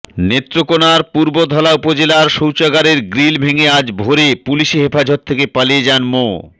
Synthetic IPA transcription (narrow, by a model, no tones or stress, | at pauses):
net̪ːɾokonaɾpuɾbod̪ʱɔlaupod͡ʑelaɾʃowt͡ɕaɡaɾeɾɡɾilbʱeŋead͡ʑbʱoɾepuliʃeɦefad͡ʑot̪t̪ʰːekepalied͡ʑanmo